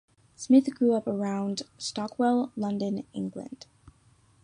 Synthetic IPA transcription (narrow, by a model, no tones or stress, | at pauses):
smɪθɡ̥ɹʉʌpə˞ãʊ̃nd̥stɑkʰwɛlˠlʌ̃ndɨ̃nɪ̰̃ŋɡlɨ̰̃nd̥